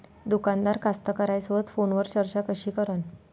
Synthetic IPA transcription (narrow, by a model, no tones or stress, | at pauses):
d̪ukand̪aɾkast̪əkəɾajsʋət̪fonʋəɾt͡ɕəɾt͡ɕakəɕiːkəɾən